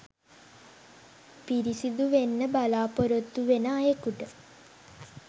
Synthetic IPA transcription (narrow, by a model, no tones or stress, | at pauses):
piɾisid̪uʋenːəbalaːpoɾot̪ːuʋenəːjekuʈə